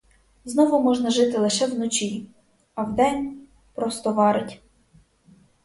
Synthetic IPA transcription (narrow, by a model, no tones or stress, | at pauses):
znɔʋʊmɔʒnɐʒɪt̪ɪlˠɪʃɛwnɔt͡ʃi | ɐwd̪ɛnʲ | pɾɔst̪ɔʋɑɾɪtʲ